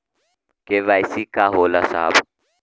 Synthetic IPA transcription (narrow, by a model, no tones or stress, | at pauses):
keʋaːjsikaɦoːlasa̰ːb